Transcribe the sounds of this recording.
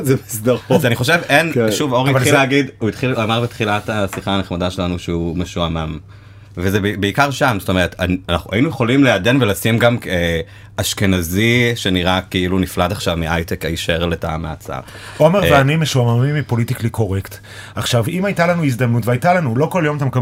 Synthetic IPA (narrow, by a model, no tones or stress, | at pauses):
zemisdaʁazaniχo̞ʃe̞venʃuvoʁivaχilleaɡiduitχilamaʁbetχilatasiχaːneχmadaʃelanuʃeumeʃuamam | vezebebeikaʁʃamzot̪ome̞ʁetʰananaχuainujeχo̞limleade̞nvelasimɡame | aʃke̞naziʃe̞niʁakiilunifladaχʃavmeʔajtekaiʃeʁleta̰maat͡sa̰ʁ | o̞meʁvveanimeʃuamamimipo̞litikliko̞ʁekt | aχʃavimajtalanuiz̬d̪amnutveajtalanulo̞ko̞ljo̞mat̪emka